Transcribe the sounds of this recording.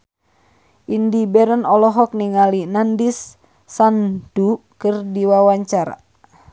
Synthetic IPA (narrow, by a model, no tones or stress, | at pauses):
ʔindibɛɾənɔlɔɦɔk̚niŋalinandisː | and̥ukɨrdiwawaɲt͡ʃaɾa̰